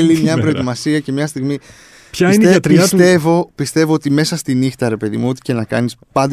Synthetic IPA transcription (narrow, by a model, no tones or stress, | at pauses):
limɲɐpɾo̞et̪imɐsiɐce̞mɲɐst̪iɣmi | pçɐinet̪ɾiɐst̪e̞vo̞pist̪e̞vo̞ot̪ime̞sɐst̪inixt̪ɐɾepe̞ðḭmuot̪i̥ce̞nɐkɐ̰nispɐnd̪